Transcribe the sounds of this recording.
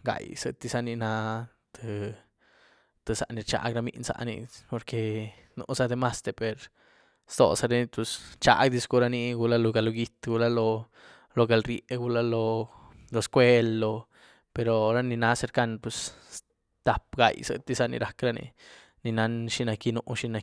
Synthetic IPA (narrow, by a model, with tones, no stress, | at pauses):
ɡa̰˨jsɨ̰˧t̪i˧sa˧ni˧na˧˦ | t̪ʰɨ˧ | t̪ɨ˧sa̰˨ʔni˧ɾt͡ʃa̰˧ɡɾa˧mḭ˧nsa̰˧ʔnḭ˧po˧ɾke˧ | no̰˧sa˧d̪e˧ma˦st̪e˧pe˨ɾ | st̪o̰˨sa˧ɾe˦ni˧pu˧st͡ʃa̰˧˦ɡd̪i˧sɡu˧ɾa˧ni˧ɡu˧la˦lo˧ɡa˧lo˧ɡi˧t̪ɡu˧la˦lo˧ | lo˧ɡa˨˧lɾje˨ɡu˧la˧lo˧ | lo˧skʷwe˦lːo˧ | pe˧ɾo˧ɾa˦ni˧na˧˦se˧ɾka˧n̚pwe˧s | t̪a˨pɡa̰˨jsɨ̰˧t̪i˧sa˧nḭ˧ɾa˨kɾa˦nḭ˧ | ni˧na˧˦nʃi˦na˧ki˧no˧ʔʃi˧na˧